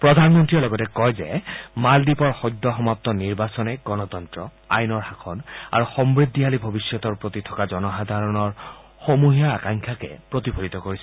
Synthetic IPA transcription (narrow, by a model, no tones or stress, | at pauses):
pɹɔd̪ʱanmɔntɹiɔlɔɡɔtɛkɔjzɛ̰maldipɔɹxɔd̪ʱːɔxɔmap̚t̪ɔniɹbasɔnɛɡɔnɔt̪ɔntɹɔ | a̰jnɔɹhakʰɔna̰ɹuxɔmbɹid̪ʱːialibʱobisjɔt̪ɔɹpɹot̪itʰɔkazɔnɔxad̪ʱaɹɔnɔɹ | xomuɦijaakaŋkʰakɛ̰pɹot̪ipʰolit̪ɔkoɹisɛ